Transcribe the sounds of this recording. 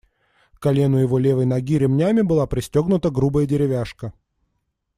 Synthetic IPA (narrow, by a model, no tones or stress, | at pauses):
kɐlʲe̞nʊjɪvo̞lʲe̞vəjnɐɡʲiɾʲɪmnʲæmʲɪbɨlˠapɾʲɪsʲtʲo̞ɡnʊt̪əɡɾubəjədʲɪɾʲɪvʲaʂkə